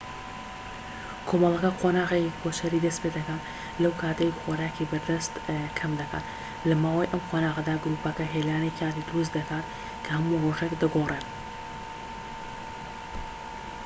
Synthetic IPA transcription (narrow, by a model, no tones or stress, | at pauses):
kʰoːmɐlˠɐkɐqʰonaːɣekkʰoʃɐɾiːd̪ɐspeːd̪ɐkan | lɐwkʰaːt̪ɐjxoɾaːkibɐɾd̪ɐst̪kʰɐmd̪ɐkʰa̰ːt̪ | lɐmaːwajʔɐmqʰonaːʁɐd̪aːɡɾuːpɐkɐɦelaːnejkʰaːt̪id̪ɾus̬d̪ɐkaːt̪ | kʰɐhɐmuroʒekd̪ɐɡoren